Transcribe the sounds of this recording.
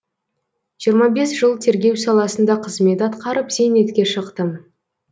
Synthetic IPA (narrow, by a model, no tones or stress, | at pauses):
ʒ̥ijəɾmɑbe̞sʒ̥əlˠt̪ʰe̞ɾɡʲe̞wsɑlˠɑsənd̪ɑqʰəzme̞t̪ɑt̪qɑɾəpze̞ne̞t̪kʲe̞ʃəqt̪ə